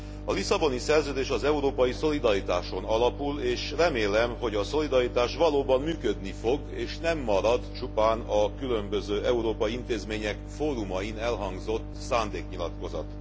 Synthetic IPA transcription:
ɒlisɒbo̞nisɛrzøːd̪eːʃɒzɛuɾoːpɒjiso̞lid̪ɒɾit̪aːʃo̞nɒlɒpuleːʃrɛmeːlɛmɦo̞ɟɒso̞lid̪ɒɾit̪aːʃʋɒloːbɒmːyːkød̪nifo̞ɡeːʃnɛmːɒɾɒd̪t͡ʃupaːnɒkylø̞mbøzøːʔɛuɾoːpɒjiint̪eːzmeːɲɛkfoːɾumɒjinɛlɦɒŋɡzo̞t̪ːsaːnd̪eːkɲilɒt̪ko̞zɒ̰t̪

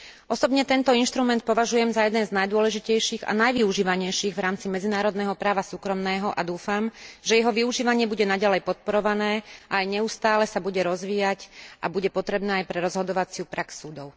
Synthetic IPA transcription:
ɔsɔbɲɛt̪ɛnt̪ɔinʃt̪ɾumɛnt̪̚pɔʋaʒujɛmzajɛd̪ɛnznajd̪ʊɔlɛʒicɛjʃiːɣa̰najʋiuʒiːʋaɲɛjʃiɣʋɾaːmt͡simɛd͡zinaːɾɔd̪nɛːɦɔpɾaːʋasuːkɾɔmnɛːɦɔʔad̪uːfamʒɛjɛɦɔʋiuʒiːʋaɲɪɛbuɟɛnaɟalɛjpɔt̪̚pɔɾɔʋanɛːʔaajɲɛust̪aːlɛsabuɟɛɾɔzʋiːjacʔa̰buɟɛpɔt̪ɾɛbnɛːajpɾɛɾɔzɦɔd̪ɔʋat͡sɪupɾʔaksuːd̪ɔʊ

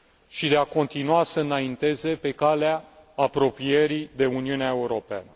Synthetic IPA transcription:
ʃid̪e̞ako̞nt̪inuasəɨnaint̪e̞ze̞pe̞kaleaː | pɾo̞pijeɾid̪e̞uniuneae̞uɾo̞pea̰nə

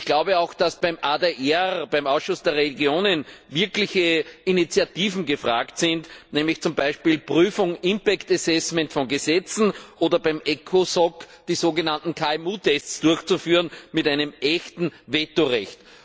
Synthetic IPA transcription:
ɪçɡ̥laʊbəaʊxd̥asb̥æɪmʔadeʔɛʁb̥æɪmaʊsʃʊsd̥eːɐʁeliɡjoːnənvɪɐklɪçəinit͡siatiːvn̩ɡəfʁaːktsɪntnɛːmlɪçt͡sʊmbaɪʃpiːlpʁyːfʊŋɪmpɛktasɛsmɛntfɔnɡəzɛt͡sn̩ʔoːdɐbæɪmʔɛkʰosɔk | d̥iːzoːɡənantn̩kʰalmuːtʰɛstt͡sd̥ʊɐçt͡sufyːʁənmɪtaɪnəmʔɛçtn̩vɛtoʁɛçt

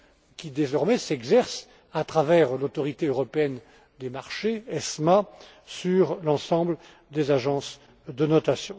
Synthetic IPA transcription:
kʲid̪ezɔʁmɛsɛɡzɛʁs | at̪χavɛʁlot̪ɔʁit̪eøʁɔpeɛn | d̪emaʁʃeɛsma | syʁlɑ̃sɑ̃bl | d̪ezaʒɑ̃s | d̪ənɔt̪asjɔ̃

